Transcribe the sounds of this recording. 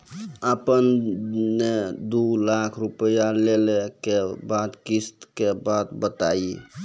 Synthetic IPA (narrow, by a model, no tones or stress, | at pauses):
əpənned̪ulakʰɾupəjalelekebad̪kist̪kebad̪bət̪ai